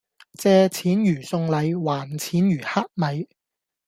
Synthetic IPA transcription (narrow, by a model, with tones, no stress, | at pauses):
t͡sɛː˧t͡sʰiː˨˥njyː˨˩sʊ˧ŋlɐ˨˧jwaː˨˩nt͡sʰiː˨˥njyː˨˩haː˥t̚mɐ˨˧j